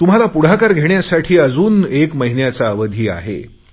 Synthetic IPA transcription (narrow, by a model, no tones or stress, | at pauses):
t̪um̤alapuɽ̤akaɾɡʱeɳjasaʈʰiːəd͡zuːnekməɦinjat͡saəʋəd̪ʱiːa̰ɦḛ